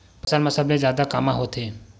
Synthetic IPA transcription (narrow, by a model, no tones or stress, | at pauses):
pəsanmasablẽzjaːd̪akamãɦot̪ʰeː